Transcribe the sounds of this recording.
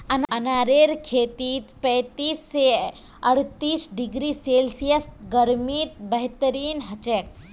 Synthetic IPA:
ɐnɐnaːɾeːɾkʰeːt̪iːt̪pə̃jt̪iːsːe | ɐɽ̤t̪iːsɖiɡɾiseːlsijəsɡəɾmiːt̪̚bəɦt̪əɾiːnɦɐt͡ʃek̚

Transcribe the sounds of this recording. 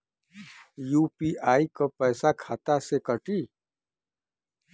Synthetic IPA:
juːpiːʔaːikopɛːsakʰaːt̪asekəʈiː

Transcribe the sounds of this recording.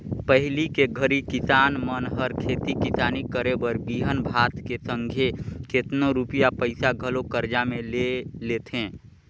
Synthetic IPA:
pəɦlikeɡʱəɾikɪsaːnmənɦəɾkʰeːt̪ikɪsaːnikəɾebəɾbiːɦənbʱaːt̪kesə̃ŋɡʱeket̪noɾupijapəɪsaɡʱəlokəɾd͡ʒamẽleleːt̪ʰẽː

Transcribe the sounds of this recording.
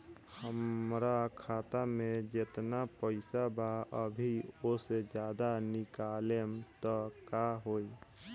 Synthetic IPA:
həmɾakʰaːt̪amẽd͡ʒet̪napəɪsabaəbʱiosed͡ʒjaːd̪anɪkalemt̪ɔkaɦoi

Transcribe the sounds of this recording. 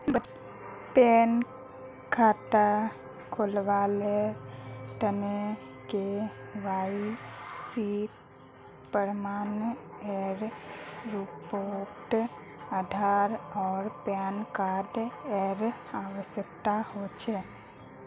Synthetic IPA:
bə | pɛn | kʰat̪a | kʰolʋale | ʈ̪əne | keʋaisi | pːəɾmaːnɛɾː | ipoʈ | ad̪ʱaɾɔːɾpɛnkaɖ̪ɛɾ | aʋəʃjək̚t̪ahot͡ʃʰɛ

